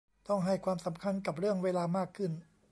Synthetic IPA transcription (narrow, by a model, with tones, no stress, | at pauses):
t̪ɔ˥˩ŋɦa˥˩jkʰwaː˧msa˩˦mkʰa˧nka˨˩p̬̚ɾɯ˥˩əŋweː˧laː˧maː˥˩kʰːɯ˥˩n